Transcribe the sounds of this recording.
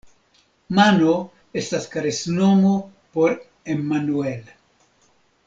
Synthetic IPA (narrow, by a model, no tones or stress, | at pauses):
mano | e̞staskaɾesno̞mo | po̞ɾ | emanuel